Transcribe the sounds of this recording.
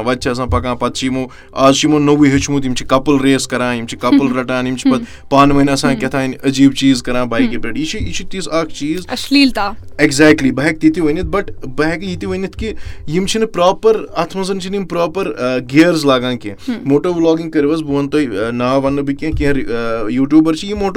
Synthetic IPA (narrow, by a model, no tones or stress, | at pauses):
ʋɐd̪̚t͡ʃʰɐɐs̬ãːpɐkãːpɐt̪̚ʰt͡ʃʰimoː | aːzt͡ʃimoːnɐʋuɦɐt͡ʃʰmut̪̬jimt͡ʃʰi̥kɐpɐlɾeːskɐɾãːjimt͡ʃʰi̥kɐpɐlɾɐʈãːnimt͡ʃʰi̥pɐt̪ | paːnmɐɦinaɐsãːkʲɐt̪ʰaːinʲɐd͡ʒiːbt͡ʃiːzkɐɾãːbaːikebɾeɖit͡ʃʰiit͡ʃʰit̪isaːkʰt͡ʃiːzɐsliːlt̪aːeɡzɛːk̚ʈlibɐɦek̚t̪it̪iʋɐnit̪̚bɐʈbɐɦɛkjit̪iʋɐnit̪ʰkijimt͡ʃʰinɨpɾaːpɐɾat̪ʰmɐzɐnt͡ʃʰinjimpɾaːpɐɾɡeːɾzlaːɡãːkẽmoːʈoblɔːɡĩŋɡkɐɾiʋɐzbuʋɐnt̪oːinaːʋɐnːɨbikẽkẽɐɾjuːʈjuːbɐɾt͡ʃʰijimoːʈ